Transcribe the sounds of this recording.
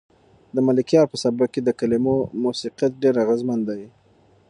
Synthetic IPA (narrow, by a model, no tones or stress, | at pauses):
d̪əmalɪkjɑɾpəsabaked̪əkalimomusiqjat̪̚ɖeɾaɣazmand̪aj